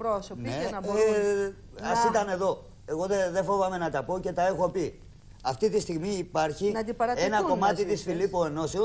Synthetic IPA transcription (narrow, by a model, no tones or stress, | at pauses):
ɾosone | ɐsit̪ɐne̞ðo̞ | e̞ɣo̞ðeðefo̞vɐme̞nɐt̪ɐpo̞ce̞t̪ɐe̞xo̞pi | ɐft̪it̪ist̪iɣmiːpɐɾçinɐd̪ipɐɾɐenɐo̞mɐt̪it̪isfilipoeno̞seo